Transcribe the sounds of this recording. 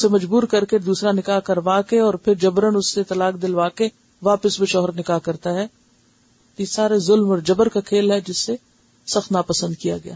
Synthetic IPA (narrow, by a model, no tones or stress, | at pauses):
semɐd͡ʒbuːɾkɐɾked̪uːsɾanɪkakɐɾʋaːkeɔːɾpʰɪɾd͡ʒɐbɾənʊsːet̪ɐlaːk̚d̪ɪlʋaːke | ʋaːpəsbeʃɔːɦɾnɪkakɐɾt̪aɦɛː | t̪ojesaːɾezʊlmɔːɾd͡ʒɐbəɾkakʰeːlɦɛd͡ʒɪsːe | sɐxt̪naːpɐsə̃nd̪̚kija̰ɡɐja̰ː